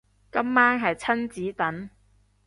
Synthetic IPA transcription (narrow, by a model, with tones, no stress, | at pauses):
kɐ˥mːaː˥ŋɦɐ˨jt͡sʰɐ˥nt͡siː˨˥t̪ɐ˨˥n